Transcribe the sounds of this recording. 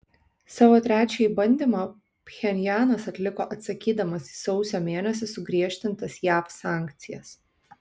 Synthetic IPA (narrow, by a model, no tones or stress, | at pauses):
sɑːʋoːt̪ʲɾʲæːt͡ʃʲɛbɐnʲd̪ʲeːmɐ | pʲxʲɛnʲjæːnɐsɐt̪ʲlʲɪkoːʔɐt̪sɐkʲiːd̪ɐmɐsisɒʊsʲoːmʲeːnʲɛs̬ʲɪsʊɡɾʲiɛʃʲt̪ʲɪnt̪ɐsjæːfsɑːˑŋʲkt̪sʲɪjɛs